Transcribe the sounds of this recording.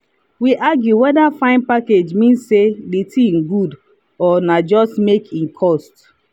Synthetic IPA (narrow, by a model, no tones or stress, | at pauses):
wiʔaɡjuwɛdafãɪ̃n̚paked͡ʒmĩnsːedetʰĩŋɡud | ɔnad͡ʒɔstmekʰĩnkʰɔst